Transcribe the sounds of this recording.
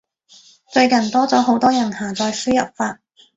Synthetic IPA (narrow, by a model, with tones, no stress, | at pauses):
t͡ʃɵ˧ɥkɐ˨˩nt̪ɔː˥t͡sɔː˨˥ɦo˨˥wt̪ɔː˥jɐ˨˩nhaː˨˩t͡sɔː˧jsy˥jɐ˨p̚faː˧t̚